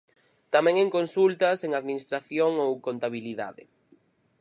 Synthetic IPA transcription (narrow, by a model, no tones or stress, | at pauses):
t̪amɛ̃ŋɛŋkonsult̪ɐseŋaðminist̪ɾaθjoŋowkont̪aβiliða̰ðɪ̰